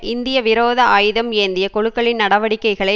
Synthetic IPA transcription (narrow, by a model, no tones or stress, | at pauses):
ʔɪnd̪ɪjɐʋɪɾoːðɐaːjðɐmeːnd̪ɪjɐkɔɻɯkːɐɭɪnnɐɽɐʋɐɽɪkːɐɪɣɐɭɐ